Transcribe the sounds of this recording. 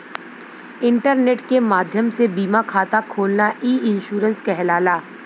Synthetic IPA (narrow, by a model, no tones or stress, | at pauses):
ɪ̃ɳʈəɾneːʈkemaːd̪ʱjəmsebiːmakʰaːt̪akʰoːlnaʔiːɪnʃuːɾə̃nskɛɦlaːlaː